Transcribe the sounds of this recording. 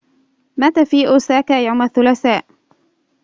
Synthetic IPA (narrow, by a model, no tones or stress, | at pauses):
mat̪aːfiːʔʊsaːkaːjawmaθːʊlaθaːʔ